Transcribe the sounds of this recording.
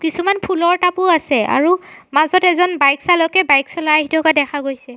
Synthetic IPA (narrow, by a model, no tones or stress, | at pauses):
kisumanpʰulɔɹtapʊasɛa̰ɹumazɔtɛzɔnbajksalɔkɛbajksalaaɦitʰɔkadɛkʰaɡojsɛ